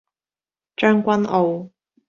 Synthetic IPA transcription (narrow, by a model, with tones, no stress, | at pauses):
t͡ʃœː˥ŋkʷɐ˥nʔo˨˧w